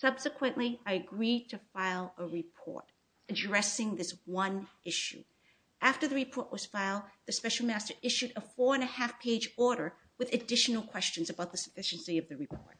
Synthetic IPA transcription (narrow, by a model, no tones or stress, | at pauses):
sʌb̥sɨkʰwɨ̃nʔliaɪɨɡɹitʰɨfaɪlˠəɹɨpʰɔ̰ɹɾ | ɨdɹɛsɪ̃ŋðɪswʌ̃nʔɪʃʉ̰ | ʔæftə˞ðɨɹɨpʰɔɹʔwʌz̥faɪl̩ˠd̚ðɨspɛʃl̩ˠmæstə˞ʔɪʃʉɾəfɔɹɨ̃nɨhæfpʰeɪd͡ʒɔɹɾə˞ | wɨðɨdɪʃn̩l̩ˠkʰw̥ɛst͡ʃɨ̃nzɨbaʊt̪̚ðɨsə̥fɪʃɨ̃nsiʌvðɨɹɨpʰɔ̰ɹt̚